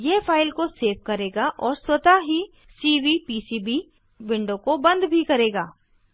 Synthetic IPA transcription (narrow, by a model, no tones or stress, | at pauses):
jefʰaːɪlkoseːʋ̚kɐɾeːɡaʔɔːɾswɐt̪aɦi | siːʋipiːsiːbi | ʋɪ̃ɳɖõkobɐ̃nd̪bʱikɐɾeːɡaː